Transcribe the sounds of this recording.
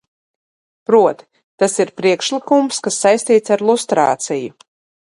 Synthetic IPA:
pɾuɔt̪i̥ | t̪asiɾpɾiɛkʃlikumskasːajsʲt̪iːt̪saɾlˠust̪ɾa̰ːt̪siju

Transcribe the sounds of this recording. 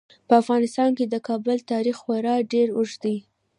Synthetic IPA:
pəafɣɑnɪst̪ɑnked̪əkɑbʊlt̪ɑɾixxaɾɑɖeɾʊʒd̪i

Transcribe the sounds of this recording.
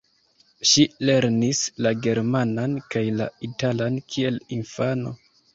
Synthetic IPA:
ʃile̞ɾnislaɡe̞ɾmanankajla̰italankʰie̞linfano̞̰

